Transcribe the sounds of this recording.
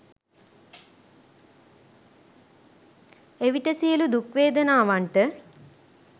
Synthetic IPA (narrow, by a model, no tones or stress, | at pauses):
eʋiʈɐsijɐlud̪ukʋeːd̪ɐnaːʋaɳʈɨ